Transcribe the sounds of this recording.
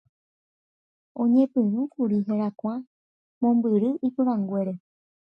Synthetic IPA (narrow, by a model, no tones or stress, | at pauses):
õ̞ɲẽpɨ̃ɾ̃ũkuɾiɦeɾakʷã | mõmbɨɾɨʔipɨɾãŋɡʷe̞ɾe̞